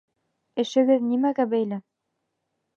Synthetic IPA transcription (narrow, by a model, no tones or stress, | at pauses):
ɘ̆ʃɘ̆ɡɘðnimæɡæbæjlæ